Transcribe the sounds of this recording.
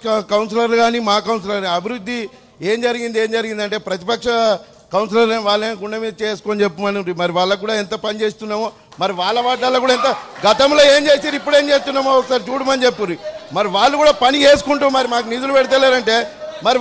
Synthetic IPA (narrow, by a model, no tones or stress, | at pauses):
kɐwns̬ɐlɐɾlɡaːniːmaːkɐwns̬ɐlɐɾɾiɐbʱiɾud̪ʱːi | eːmd͡ʒɐɾiɡind̪ie̞ːmd͡ʒɐɾiɡind̪ɐɳʈeːpɾɐt̪ipɐkʂɐ | kɐwns̬lɐɾʋaːɭːɐeːɡuɳɖɐmid̪ɐt͡ʃeːsu̥koːnit͡ʃepːumɐnuɾimɐɾiʋaːɭːɐk̬uːɽaːent̪ɐpɐnit͡ʃeːst̪unːaːmo | mɐɾiʋaːɭːɐʋaːʈːaːlːɐkuːɽaːint̪ɐɡɐt̪ɐmlo̞ːe̞ːmt͡ʃe̞ːsaːɾipːuɽe̞ːmt͡ʃe̞ːs̬t̪unːaːmoksaːɾt͡ʃuːɽumɐnit͡ʃepːuɾimɐɾiʋaːɭːukuːɽaːpɐnit͡ʃeːs̬u̥kuɳʈuːmɐɾimaːk̬unid̪ulupɛɽit̪̬ɐlːeːɾɐɳʈe̞ːmɐɾi